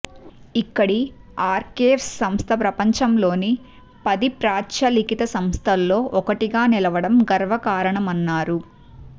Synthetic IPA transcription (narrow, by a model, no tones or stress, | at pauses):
ikːɐɽiaːɾkeːfssɐmst̪ʰɐpɾɐpɐɲt͡ʃɐmlo̞ːni | pɐd̪ipɾaːt͡ʃɐlikit̪ɐsɐmst̪ʰɐlːo̞ːʔɔkɐʈiɡaːnilɐʋɐɽɐmɡɐɾʋɐkaːɾɐɳɐmɐnːaːɾu